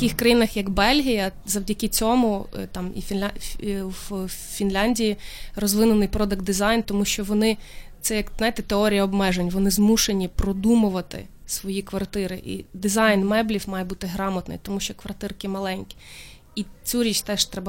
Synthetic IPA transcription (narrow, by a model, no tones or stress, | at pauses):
t̪ɐkʲɪxkɾɐjinɐxjɐɡbɛlʲɦijɐ | zɐwdʲɐkɪt͡sʲɔmʊt̪ɑmḭfʲ | w | fʲinlʲanʲdʲijirɔzʋɪnʊnɪjpɾɔd̪ɐk̚d̪d̪ɪzɑjnt̪ɔmuʃʲt͡ʃɔʋɔnɪt̪sɛjɐkzɑjt̪ɛt̪eɔɾʲijɐɔbmɛʒenʲʋɔnɪzmuʃenʲipɾɔd̪umʊʋɐt̪ɪ̰sʋɔjikʋɐrt̪ɪɾɪʔḭd̪ɪzɑjnmɛblʲiwmɑjɛbut̪ɪɦɾɑmɐt̪nɔ̰jt̪ɔmuʃt͡ʃɔkʋɐrt̪ɪrkʲɪmɐlˠɛnʲkʲɪ̥ | it͡sʲuɾʲit͡ʃʲt̪ɛʃt̪ɾɛbɐ